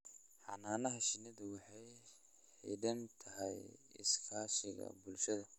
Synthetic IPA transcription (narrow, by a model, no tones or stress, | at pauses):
ħɑnaːnɐɦɐʃɪnɐðʊwɑħɑj | ħḭɖɐnt̪ʰɐɦɛjɪ̰skʰaːʃɪɣɐ̰bʊlʃɐðɐ